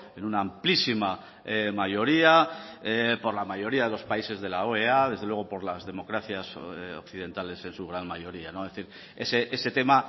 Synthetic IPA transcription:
e̞nunaːmplisima | majo̞ɾiaepo̞ɾlamaʝo̞ɾiað̞e̞lo̞spaise̞zðe̞laoeað̞e̞zðewe̞ɣ̞o̞po̞ɾlazðe̞mo̞kɾaθjaso̰kθiðẽ̞nt̪ale̞se̞nsuɣ̞ɾanmajo̞ɾianoeθiɾ | eseʔe̞se̞t̪e̞ma

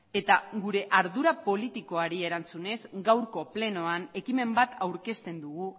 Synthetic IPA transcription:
e̞t̪aɡuɾe̞ʔaɾðuɾapo̞lit̪iko̞aɾie̞ɾant͡sune̞zɡawɾko̞ple̞no̞ane̞kime̞mbat̪awɾke̞st̪e̞nd̪uɣ̞u

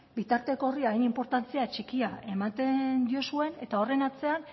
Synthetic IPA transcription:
bit̪aɾt̪e̞ko̞riajnimpo̞ɾt̪ant͡siat͡ʃikiae̞mat̪e̞nd̪io̞sue̞ne̞t̪ao̞re̞nat͡se̞an

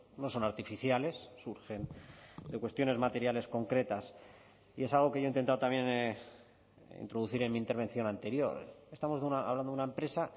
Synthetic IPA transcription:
no̞so̞naɾt̪ifiθjale̞sːuɾxe̞nd̪e̞kwest̪jo̞ne̞zmat̪e̞ɾjale̞sko̞ŋkɾe̞t̪as | ie̞salɣ̞o̞ke̞ʝoint̪e̞nt̪aðot̪amje̞n | ḭnt̪ɾo̞ðuθiɾe̞nmĩːnt̪e̞ɾβ̞e̞nθjo̞nant̪e̞ɾjo̞̰ɾest̪amo̞zðeunaa̰βland̪ounaempɾe̞sa

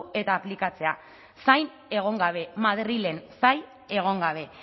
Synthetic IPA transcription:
e̞t̪aːplikat͡se̞a | sajn | e̞ɣ̞o̞ŋɡaβ̞e̞maðrile̞nsaj | e̞ɣ̞o̞ŋɡaβ̞e̞

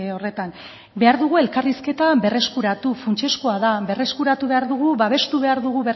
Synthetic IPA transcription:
o̞re̞t̪am | be̞aɾðuɣ̞ue̞lkariske̞t̪abe̞re̞skuɾat̪ufunt͡ʃe̞skoaðabe̞re̞skuɾat̪uβe̞aɾðuɣ̞uβaβ̞e̞st̪uβ̞e̞aɾðuɣ̞uβe

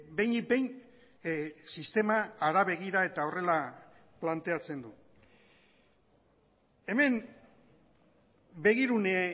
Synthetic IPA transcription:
be̞jn̚bejn | sist̪e̞maːɾaβe̞ɣiɾae̞t̪ao̞re̞la | plant̪e̞at͡se̞nd̪u | e̞me̞n | be̞ɣ̞iɾune

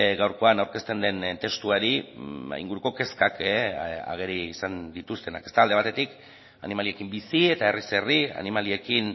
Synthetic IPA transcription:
ɡawɾko̞anawɾkest̪e̞nd̪e̞nt̪e̞st̪uaɾiḭŋɡuɾuko̞ke̞skaka̰ɣ̞e̞ɾiːsand̪it̪ust̪e̞na̰kest̪aːld̪e̞β̞at̪e̞t̪ik | a̰nimalie̞kimbisie̞t̪aeriseria̰nimalie̞kin

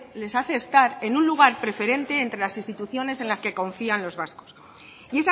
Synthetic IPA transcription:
le̞saθe̞ːst̪aɾe̞nunluɣ̞aɾpɾe̞fe̞ɾe̞nt̪e̞ːnt̪ɾe̞lasinst̪it̪uθjo̞ne̞sẽ̞nlaske̞ko̞ɱfianlo̞zβasko̥s | ie̞s

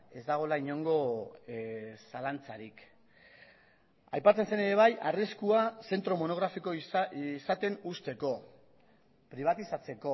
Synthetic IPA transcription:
e̞zd̪aɣ̞o̞laiɲo̞ŋɡo̞ | salant͡saɾik | ajpat͡sense̞ne̞ɾe̞β̞ajariskuase̞nt̪ɾo̞mo̞no̞ɣ̞ɾafiko̞iisat̪e̞nust̪e̞ko̞ | pɾiβ̞at̪isat͡se̞ko̞

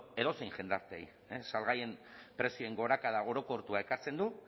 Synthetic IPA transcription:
e̞ðo̞se̞jŋʝe̞nd̪aɾt̪eej | esalɣaje̞mpɾe̞sioeŋɡo̞ɾakaðao̞ɾo̞ko̞ɾt̪uae̞kaɾt͡se̞nd̪u

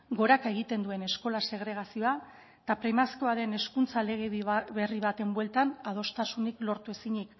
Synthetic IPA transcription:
ɡo̞ɾakaeɣ̞it̪e̞nd̪ue̞ne̞sko̞lase̞ɣ̞ɾe̞ɣ̞asio̞a | t̪apɾemasiko̞aðe̞ne̞skunt͡sale̞ɣ̞eβe̞riβat̪e̞mbwe̞lt̪anað̞o̞st̪asuniklo̞ɾt̪ue̞siɲik

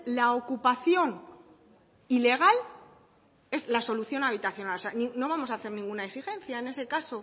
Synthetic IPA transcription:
laokupaθjo̞n | ile̞ɣ̞al | e̞zlaso̞luθjo̞naβ̞it̪aθjo̞naloseanĩno̞β̞amo̞saːθe̞ɾnĩŋɡunaeksixe̞nθjae̞ne̞se̞kaso̞

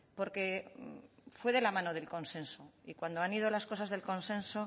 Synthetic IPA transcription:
po̞ɾke̞ | fwe̞ðe̞lamãno̞ðe̞lko̞nsẽ̞nso̞ikwand̪oanið̞o̞lasko̞sazðe̞lkõ̞nsẽ̞nso̞

